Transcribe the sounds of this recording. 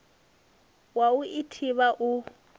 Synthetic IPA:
wauʔitʰiβaʔʊ

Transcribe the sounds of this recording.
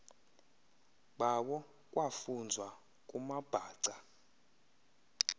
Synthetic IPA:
ɓawɔ | k̬ʼwafund͡zʱwa | kʼumab̥ʱaːǀa

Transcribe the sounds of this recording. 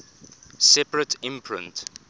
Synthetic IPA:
sɛpɹətʰɪ̃mpʰɹɪ̰̃nt

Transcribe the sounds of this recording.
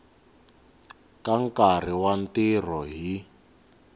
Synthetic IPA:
kaŋkar̤iwantir̤ɔɦi

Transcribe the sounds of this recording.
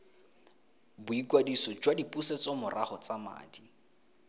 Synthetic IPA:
bʊikʼwadisɔd͡ʒwadipʼuset͡sɔmʊrʔaχɔt͡sama̰ːdi

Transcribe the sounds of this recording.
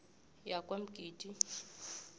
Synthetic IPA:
jakʼwem̩ɡ̥ʱiːtʼi

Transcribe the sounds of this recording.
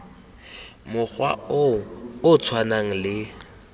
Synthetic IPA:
mʊk͡xwa̰ | ʊt͡sʰwanaŋ̩lɪ

